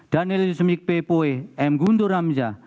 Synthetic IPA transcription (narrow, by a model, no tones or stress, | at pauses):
d̥anilusəmik̚pepoeɛmɡund̪oɾamd͡ʒa